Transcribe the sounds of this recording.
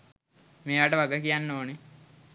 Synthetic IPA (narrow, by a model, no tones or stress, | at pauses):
meːʋaːʈəʋaɡəkijanːoːne